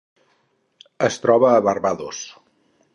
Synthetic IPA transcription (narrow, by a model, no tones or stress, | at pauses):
əst̪ɾɔβəːβərβaðos